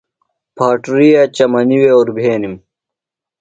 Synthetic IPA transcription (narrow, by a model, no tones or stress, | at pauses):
pʰaːʈuɾiːjaːt͡ɕɐmɐniweːoɾbʱeːnim